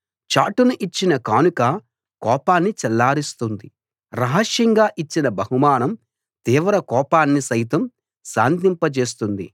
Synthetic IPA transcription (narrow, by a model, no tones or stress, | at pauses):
t͡ʃaːʈunuʔit͡ʃːinɐkaːnukɐ | kɔːpaːnːit͡ʃɛlːaːɾist̪und̪i | ɾɐɦɐʂjɐŋɡaːʔit͡ʃːinɐbʱɐɦumaːnɐm | t̪iːʋɐɾɐkɔːpaːnːisɐjt̪̬ɐm | sa̰ːnt̪̬impɐt͡ʃe̞ːs̬t̪und̪ḭ